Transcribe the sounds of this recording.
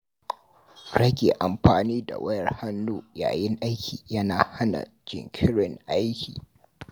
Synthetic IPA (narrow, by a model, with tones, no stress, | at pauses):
ɽɐ˦ɡʲeː˨ʔa˨mɸaː˨niː˦da˨wɐ˦jɐ˨rha˦nːuː˦ja̰ː˨jɪ˦ŋʔa˦jkʲʰiː˨jɐ˦naː˨ha˦na̰˨ | d͡ʒɪ̰˨ŋkʲʰɪ˦ɽɪ˨ŋʔa˦jkʲʰiː˨